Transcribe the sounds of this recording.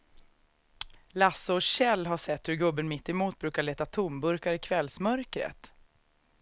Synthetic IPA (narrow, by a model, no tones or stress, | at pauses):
lasːəɔɕɛlːɦaʂɛt̪ːhɵɾɡɵbːənmɪt̪ːɪmuːt̪̚bɾʉ̟ːkaɭeːt̪at̪ʰʊmbɵɾkaɾɪkʰvɛlsmœɾkɾə̰t̪